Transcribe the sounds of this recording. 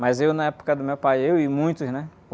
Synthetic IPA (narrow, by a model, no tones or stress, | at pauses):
mɐzewnɐɛpo̥kɐd̪ʊmewpajewɪmũj̃t̪ʊznɛ